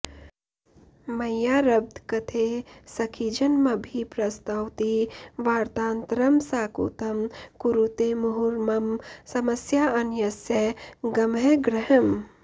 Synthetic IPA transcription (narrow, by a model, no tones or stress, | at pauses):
mɐjaːɾɐb̚d̪kɐt̪ʰesɐkʰid͡ʒɐnmɐbʱipɾɐst̪ɐwt̪iʋaːɾt̪aːnt̪ɾɐmsaːkṵːt̪ɐmkuɾut̪emʊɦuɾmɐmsɐmɐsjaɐnjɐsjɐɡɐmɦeɡɾəɦəm